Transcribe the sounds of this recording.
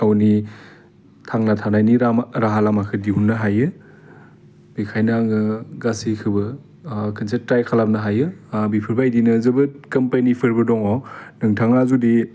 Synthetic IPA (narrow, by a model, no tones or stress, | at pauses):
awni | tʰaŋnatʰanajniɾaɾaɦalamakʰɯdiɦunːɯɦajɯ | bikʰajnaŋɯɡasikʰɯbɯ | kʰɯnsetɾajkʰalap̚nɐɦajɯbipʰɯɾbajdinɯzɯbɯkɐmpanipʰɯɾbɯdɔŋɔnɯŋtʰaŋazudi